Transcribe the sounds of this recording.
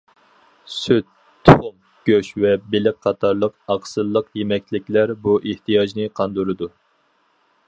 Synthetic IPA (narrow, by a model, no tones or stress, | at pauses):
syt̪ʰː | ʊχʊm | ɡ̥ʲøʃvɛbelɪk̚ʲqʰɑt̪ʰɑɾlˠəqɑqsɨlˠːəqjemɛk̚ʲlɪkʲlæɾbuʔeht̪ʰɨjɑd͡ʒnɨqʰɑnd̪uɾɨd̪u